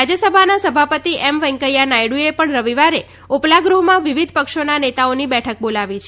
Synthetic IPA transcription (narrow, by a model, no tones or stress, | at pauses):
d͡ʒjəsəbʱanasəbʱapət̪iʔɛmʋəŋkəjanajɽuepəɳɾəʋiʋaɾe | oplaɡɾuɦmãʋiʋid̪ʱpəkʃonanet̪aonibɛʈʰək̚bolaʋit͡ʃʰ